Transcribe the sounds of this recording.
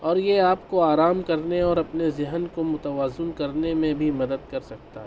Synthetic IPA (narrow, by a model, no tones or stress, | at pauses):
ɔːɾjeaːp̚koaːɾaːmkɐɾneɔːɾɐpnezɪɦənkomʊt̪əʋaːzɪnkɐɾnemẽbʱimɐd̪əd̪̚kɐɾsɐk̚t̪aɦɛː